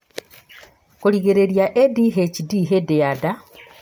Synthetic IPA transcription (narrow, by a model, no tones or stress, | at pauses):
kuliɣeɾeɾjaʔediɦecidiɦedejada